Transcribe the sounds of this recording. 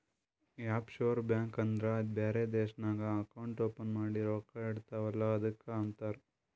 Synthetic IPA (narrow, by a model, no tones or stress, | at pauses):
jaːpʃoːɾbjaːŋkɐnd̪ɾɐbeːɾed̪eːʃɐnaːɡɐɐkɐwɳʈoːpɐnmaːɽiɾoːkaiɽt̪aːʋɐlːɐɐd̪ɐkːeɐnt̪aːɾ